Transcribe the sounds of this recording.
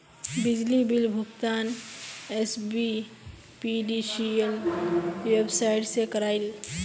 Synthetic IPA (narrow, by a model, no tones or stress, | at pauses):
bɪd͡ʒlibɪlbʱʊkt̪aːnesbi | piɖisiəl | websaːɪʈsekəɾaːɪl